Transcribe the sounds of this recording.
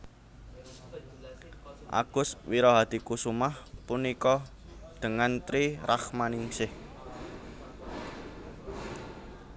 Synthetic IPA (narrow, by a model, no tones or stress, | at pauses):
ʔa̰ɡ̥ʊ̤swiɾɔɦad̪̥i̤kusumahpunikɔ | d̪̥ə̤ŋant̪ɾiraχmaniŋsɪh